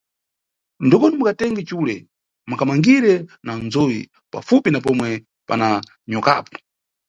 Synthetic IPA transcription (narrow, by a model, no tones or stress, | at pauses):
ndikɔnɛmukatɛŋɡɛt͡ʃulɛ | makamaŋɡiɾɛnanzɔji | pa̰fupinapɔmwɛ | pa̰na | ɲɔka̰pɔ̥